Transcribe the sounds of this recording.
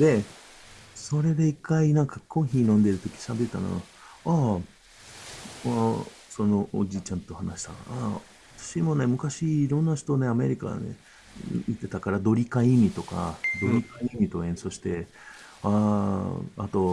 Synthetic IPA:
d̪e̞ | so̞ɾe̞d̪e̞ikːainãŋkakʰõ̞ɰ̃çiːnõ̞nd̪e̞ɾɯ̟t̪o̞kʲi̥ɕabe̞t̪et̪a̰no̰ | a | a | so̞no̞ʔo̰d͡ʑiːt͡ɕãnt̪o̞hanaɕi̥t̪a̰a | at̪ḁɕimo̞ne̞mɯ̟kaɕiːɾõ̞nːaɕi̥t̪one̞ame̞̰ɾʲika̰nḛ | it̪e̞t̪akaɾad̪o̞ɾʲikaimʲit̪o̞ka̰d̪o̞ɾʲikaimʲit̪o̞ẽ̞ɰ̃so̞ːɕi̥t̪e̞ | a | a̰t̪o̞

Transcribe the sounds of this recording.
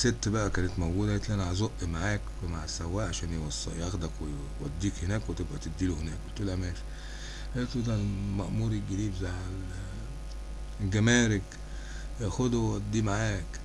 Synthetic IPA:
set̪ːbæʔækæːnæt̪mæwɡuːd̪æhet̪lʔænʕazoʔʔmaʕaːkwemaʕasæwːæːʔʕaʃæːnjwɑsˤːɑjɑxd̪ækwe | wæd̪ːiːkhenæːkwet̪ebʔæt̪ed̪ːiːluhenæːkwʔolt̪olʔæmæːʃi̥ | hæt̪lud̪ælmæʔmuːɾiɡæliːbzaʕ | lɡæmæːɾek | jæxod̪wwæd̪ːiːmaʕaːk

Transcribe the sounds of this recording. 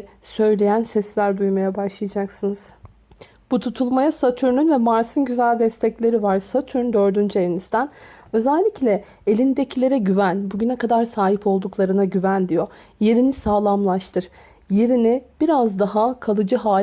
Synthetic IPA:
sø̞jlʲe̞jænsɛslʲæɾd̪ujmajabaʃlˠajad͡ʒaksɯnɯz̥ | b̥ut̪ʰut̪ʰulˠmajasat̪ʰyɾnynvɛmaɾsɯnɟyzælʲd̪ɛst̪ʰɛclʲe̞ɾivaɾsat̪ʰyɾnd̪ø̞ɾd̪ynd͡ʒelʲinizd̪ænø̞zɛlʲːiclʲɛ | elʲind̪ecʰilʲe̞ɾɛɟyvænbuɟynɛkʰad̪aɾsaːɦipʰo̞lˠd̪uklˠaɾɯnaɟyvænd̪ijoje̞ɾinisaːlˠamlˠaʃt̪ʰɯɾ̥ | je̞ɾinib̥iɾazd̪aɦakʰalˠɯd͡ʒɯɦaː

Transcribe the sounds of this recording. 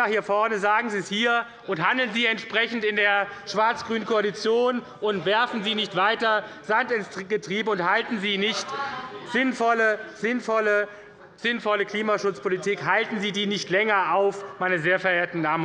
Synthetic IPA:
ahiːɐfɔɐnəzaːɡŋ̩ziːshiːɐ | ʔʊnthandl̩nziːɛntʃpʁ̥ɛçn̩tɪndeːɐʃv̥aɐt͡sɡ̥ʁyːnənkʰoalit͡sjoːn | ʔʊntv̥ɛɐfn̩ziːnɪçtv̥aɪtɐz̥antɪnsɡətʁ̥iːbəʊnthaltn̩ziːnɪçtz̥ɪnfɔləz̥ɪnfɔlə | z̥ɪnfɔləkl̥iːmaʃʊt͡spʰolitʰiːkhaltn̩ziːdiːnɪçtlɛŋɐʔaʊfmaɪnɐzeːɐfɛɐeːɐtn̩naːmə

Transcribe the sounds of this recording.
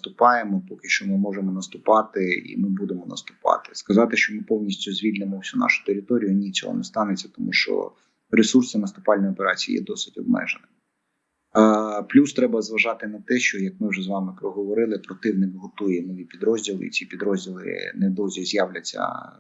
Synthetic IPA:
t̪ʊpɑjemɔpɔkɪʃt͡ʃɔmɪmɔʒemɔnɐst̪ʊpɑt̪ɪḭmɪbud̪emɔnɐ̰st̪ʊ̥pɑ̰t̪ɪ̥skɐzɑt̪ɪʃt͡ʃɔmɪpɔwnʲisʲtʲʊzʲʋʲilʲnɪmɔwsʲunɑ̰ʃʊ̥t̪eɾʲɪt̪ɔɾʲijʊnʲit͡sʲɔ̰ɦɔ̰nɛst̪ɑnɪt͡sʲːɐt̪ɔmuʃt͡ʃɔ̰ | ɾesursɪnɐst̪ʊpɑlʲnʲɔjɔpeɾɑt͡sʲijḭjɛ̰d̪ɔsɪ̥tʲɔb̚mɛ̰ʒenɪ | plʲust̪ɾɛbɐzʋɐʒɑt̪ɪnɐt̪ɛʃt͡ʃɔjɐk̚mɪwʒɛzʋɑmɪpɾɔɦɔʋɔɾɪlˠɪpɾɔt̪ɪwnɪkɦɔt̪ujɛnɔʋʲipʲid̪ɾɔzʲdʲilˠɪ̰ḭt͡sʲipʲid̪ɾɔzʲdʲilˠɪ̰nɛd̪ɔzʲizʲjawlʲɐt͡sʲːɐ̰

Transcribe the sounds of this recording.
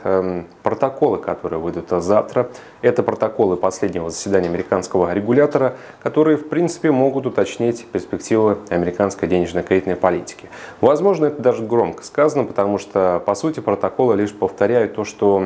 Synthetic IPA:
pɾət̪ɐko̞lˠɨkɐt̪o̞ɾɨjəvɨjd̪ʊt̪zaft̪ɾə | ɛt̪əpɾət̪ɐko̞lˠɨpɐslʲedʲnʲɪvəzəsʲvʲɪd̪anʲɪəɐmʲɪɾʲɪkanskəvəɾʲɪɡʊlʲat̪əɾə | kɐt̪o̞ɾɨjəfpɾʲint̪sɨ̥pʲɪmo̞ɡʊt̪ʊt̪ɐt͡ɕnʲitʲpʲɪrspʲɪktʲivɨɐmʲɪɾʲɪkanskəjdʲenʲɪʐnəkejt̪nəjpɐlʲitʲɪ̥kʲɪ̥vɐzmo̞ʐnəɛt̪əd̪aʐɨɡɾo̞mkə̥skazənəpə̥t̪ɐmuʂt̪opɐsutʲɪpɾət̪ɐko̞lˠɨlʲiʂpəft̪ɐɾʲæjʊt̪ːo̞ʂt̪o

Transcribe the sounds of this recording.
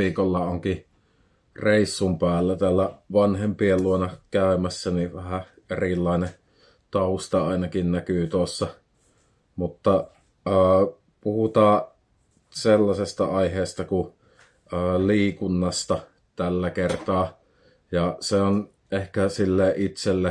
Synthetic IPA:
iːkolːɑoŋki | reˑisːumpæːlːæt̪æːlːæʋɑnhempielluonɑkæˑømæsːæniʋæhæ | erilːɑˑene | t̪ɑust̪ɑɑˑinɑkinnækyːˑt̪uosːɑ | mut̪ːɑ | əː | puhut̪ɑː | selːɑsest̪ɑɑiheˑːst̪ɑku | əːliːkunːɑst̪ɑ | t̪ælːækert̪ɑː | jɑseon | ʔehkæsilːeːʔʔit̪selːe

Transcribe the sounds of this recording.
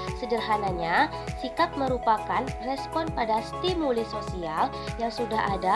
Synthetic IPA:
sədərɦanaɲa | sikat̪̚məɾupakanrɛspɔnpadast̪imulisosial | jaŋsudaɦada

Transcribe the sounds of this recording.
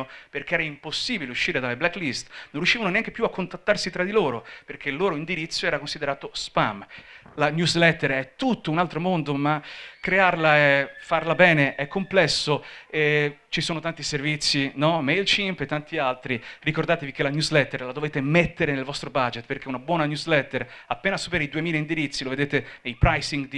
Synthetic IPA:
perk̟eɛɾaimposːiːbileuʃːiːɾed̪aleblakːlist̪nonrjuʃːiːvanoneaŋkepjuakʰːont̪at̪ːarsit̪ɾad̪iloːɾoperk̟eilːoːɾoind̪iɾit̪sːoɛːɾakonsid̪eɾaːt̪ospamlanjuzlɛt̪ːeɾɛt̪ːut̪ːounalt̪ɾomond̪omakːɾearlaefarlabɛːneʔɛkʰːomplɛsːoɛt͡ʃisoːnot̪ant̪iservit̪sːinɔmejlt͡ʃimpet̪ːant̪ialt̪ɾirikord̪aːt̪evik̟elanjuzlɛt̪ːeɾlad̪oveːt̪emet̪ːeɾenelvɔst̪ɾobad͡ʒet̪perk̟eunabwɔːnanjuzlɛt̪ːeɾapːeːnasupeɾeid̪uemiːlaind̪iɾit̪sːiloved̪eːt̪enejpɾajsiŋɡd̪i

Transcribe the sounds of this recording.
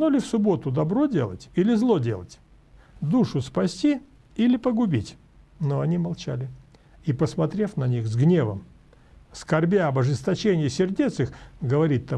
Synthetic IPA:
nolʲɪfsʊbo̞t̪ʊd̪ɐbɾo̞dʲe̞̰lˠə̰tʲilʲɪzlˠo̞dʲe̞lˠə̰tʲ | d̪uʂʊspɐsʲtʲi | ilʲɪpəɡʊbʲitʲ | noɐnʲimɐlˠt͡ɕalʲɪ | ipəsmɐt̪ɾʲe̞fnɐnʲixzɡnʲe̞vəm | skɐrbʲeɐbɐʐɨst̪ɐt͡ɕenʲɪjɪsʲɪrdʲe̞t̪sɨxɡəvɐɾʲit̪ːa

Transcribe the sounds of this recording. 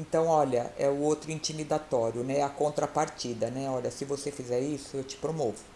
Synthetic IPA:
ẽnt̪ɐ̃w̃ɔʎɐʔɛʊowt̪ɾʊĩnt͡ʃimid̪at̪ɔɾjʊnɛɛɐkõnt̪ɾɐpaɾt͡ʃid̪ɐnɛɔʎɐsɪvosefizɛɾisʊewt͡ʃɪ̥pɾomovʊ

